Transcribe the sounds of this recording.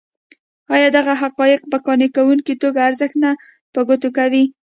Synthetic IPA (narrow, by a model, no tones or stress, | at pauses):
ɑjɑd̪aɣaɦaqɑjɪqbakɑnekawuŋkit̪oɡaːɾzəxna | pəɡot̪okawi